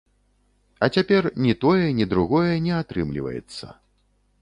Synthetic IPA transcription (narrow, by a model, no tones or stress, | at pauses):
ɐt͡sʲapʲɛrnʲit̪ɔjɛnʲid̪ɾuɣɔjɛnʲɛat̪ɾɨmlʲḭvɐ̰jɛ̰t̪sːɐ̰